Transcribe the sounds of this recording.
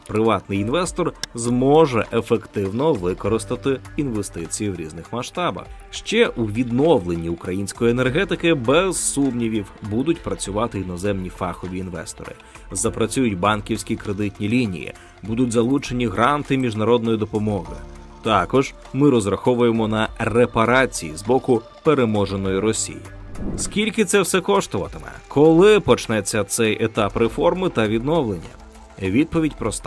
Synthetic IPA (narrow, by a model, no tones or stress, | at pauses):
pɾɪʋɑt̪nɪjinʋɛst̪ɔrzmɔʒɛʔefekt̪ɪwnɔʋɪkɔɾɪst̪ɐt̪ɪinʋe̞st̪ɪt͡sʲijiwɾʲḭznɪxmɐʃt̪ɑbɐ̰x | ʃt͡ʃɛʔuʋʲid̪nɔʋlˠenʲːiʊkɾɐjinʲsʲkɔjienerɦɛt̪ɪkɪbɛz̥sumnʲiʋʲiwbud̪ʊtʲpɾɐt͡sʲʊʋɑt̪ɪjinɔzɛmnʲifɑxɔʋʲiːnʋɛ̰st̪ɔ̰ɾɪ̰ | zɐpɾɐt͡sʲujʊtʲbɑnkʲiwsʲkʲikɾe̞d̪ɪtʲnʲilʲinʲḭjḭ | bud̪ʊtʲzɐlˠut͡ʃe̞nʲiɦɾɑnt̪ɪmʲiʒnɐɾɔd̪̚nɔjid̪ɔpɔmɔɦɪ̰ | t̪ɑkɔʒ | mɪɾɔzɾɐxɔʋʊje̞mɔnɐrepɐɾɑt͡sʲijizbɔkʊ | pe̞ɾe̞mɔʒenɔjiɾɔsʲḭjḭskʲilʲkɪt̪sɛwsɛkɔʃt̪ɔʋɐt̪ɪmɛ̰kʰɔlˠɪpɔt͡ʃnɛt͡sʲːɐt̪sɛjet̪ɑpɾefɔrmɪt̪ɐʋʲid̪nɔwlˠenʲːɐ̰ | ʋʲid̪̚pɔʋʲidʲpɾɔst̪